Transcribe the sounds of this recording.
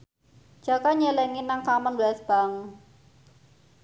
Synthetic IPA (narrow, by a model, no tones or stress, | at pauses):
d͡ʒ̥a̤kaɲelɛŋinaŋkamənbasb̥aŋ